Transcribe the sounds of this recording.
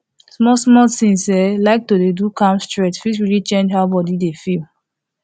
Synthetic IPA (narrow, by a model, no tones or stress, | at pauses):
smɔsmɔtĩŋsɛlaɪk̚todedukãmstɹetfisɹilit͡ʃẽnd͡ʒɦaʊbɔdidefil